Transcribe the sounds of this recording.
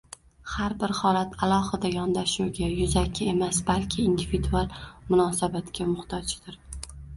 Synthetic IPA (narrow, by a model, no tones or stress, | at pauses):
haɾbɪɾhɒlat̪ʰalˠɒhɨd̪ajɒnd̪aʃuɡʲajʊzakʲʰːɪe̞masbalkʲʰɪːnd̪ivid̪ualˠmʊnɒsabat̪kʲamʊht̪ʰɒt͡ʃɪd̪̥ɪɾ